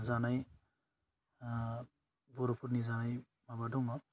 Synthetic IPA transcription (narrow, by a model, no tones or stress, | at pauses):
zanaj | bɔɾɔpʰuɾnizanaj | mabadɔŋɔ